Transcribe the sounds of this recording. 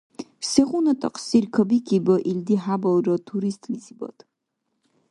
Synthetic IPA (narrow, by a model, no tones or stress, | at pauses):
sɛχunɔt̪ʼɔ̰qʰsiɾkʰɔbikʰibɔʔild̪iɦabɔɾɔt̪ʰuɾist̪ʼlisʰibɔ̰t̪ʰ